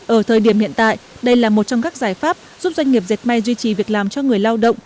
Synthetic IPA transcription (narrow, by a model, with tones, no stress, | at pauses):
ʔəː˧˩t̪ʰəː˨˩jɗi˧˩əmhḭ˧˨ənt̪a̰ː˧˨jɗə˧jlaː˨˩mo˨˩t̚t͡ɕɔ˧ŋ͡mkaː˦˥k̚zaː˧˩jfaː˦˥p̚zu˦˥p̚zwa˧jŋ̟ŋi˨˩əp̚ze˨˩t̚ma˧jzwi˧t͡ɕi˨˩vi˨˩ək̚laː˨˩mt͡ɕɔ˧ŋɨ˨˩əjlaː˧wɗə̰˧˨wŋ͡m